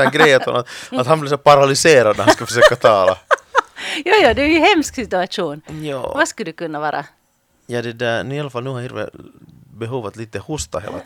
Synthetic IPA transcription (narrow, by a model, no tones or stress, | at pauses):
æɡɾɛjːət̪ʰɔ̰naat̪hanblɪɾsɛpʰaɾalɪseːɾad̪næɾhanskafœʂøːkat̪ʰɑːla̰ | jɑːjɑːd̪ɛæɾjɵhɛmsksɪt̪ʉaʂuːnjɑ̰ːvaskald̪ɵkɵnːavɑːɾʔa̰ | jɑːd̪ɛd̪ænʉːɪalːafalnʉːhaɾhɪːɾvɛ̰ | bɛɦuːvat̪liːt̪əhʊst̪a̰hḛːla